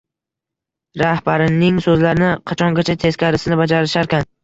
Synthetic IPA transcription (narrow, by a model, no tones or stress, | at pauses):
ɾahbaɾɪnɪŋsɵzlaɾɪnɪqʰɑt͡ʃʰɒŋɡʲat͡ʃʰat̪ʰe̞skʲaɾɪsɪnɪbad͡ʒaɾɪʃaɾkʲan